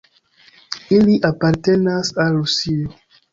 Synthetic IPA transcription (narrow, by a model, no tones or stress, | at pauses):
iliʔapaɾtenasalɾusio